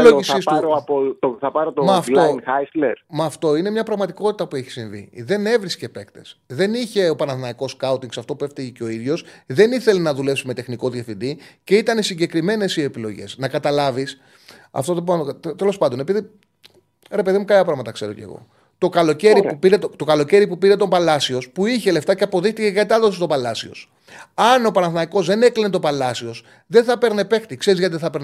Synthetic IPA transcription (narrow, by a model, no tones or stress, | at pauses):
loisisuɾoɐpooθɐpɐɾot̪omɐːft̪oasleɾmɐːft̪o̞ine̞mɲɐpɾɐɣmɐt̪iko̞t̪i̥t̪ɐpueçi̥siɱvḭðe̞ne̞vɾisce̞pe̞kt̪e̞sðe̞niçe̞opɐnɐðnɐiko̞skɐut̪iŋɡsɐft̪o̞pue̞ft̪iʝeceo̞iðʝo̞sðe̞niθe̞lenɐðule̞psime̞t̪e̞xniko̞ðjɐfind̪iceit̪ɐnesiɲɟe̞kɾime̞ne̞sie̞pilo̞̰ʝḛsnɐkɐt̪ɐlɐvis | ɐ̰ft̪ot̪opt̪e̞lo̞spɐnd̪o̞ne̞piði | ɾe̞pe̞ðimukɐlɐpɾɐɣmɐt̪ɐkse̞ɾo̞̰ce̞̰ɣo̞̰ | t̪o̞kɐlo̞ce̞ɾiupiɾe̞t̪t̪o̞kɐlo̞ce̞ɾipupiɾe̞t̪o̞mpɐlɐsio̞spuiçe̞le̞ft̪ɐceɐpo̞ðixt̪içekɐt̪ɐðosit̪o̞pɐlɐsio̞̰s | ɐno̞pɐnɐθnɐiko̞zðene̞klinet̪̬o̞pɐlɐsio̞s | ðe̞nθɐpe̞ɾne̞pe̞xt̪ikse̞ɾizʝɐt̪ieθɐpen